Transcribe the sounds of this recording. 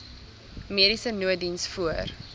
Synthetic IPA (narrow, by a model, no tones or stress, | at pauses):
miəɾisənuədinsfuər